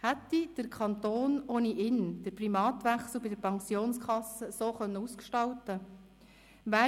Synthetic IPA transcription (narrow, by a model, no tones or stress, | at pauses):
hɛt̪ːid̥əɾkʰɑnt̪oːnoːniʔɪnd̥əɾprimɑːt̪ʋɛχsl̩ˠbɪdəɾpʰɑŋsjoːnskʰχɑsəsoːχœnːəuskʃtɑwtə | væː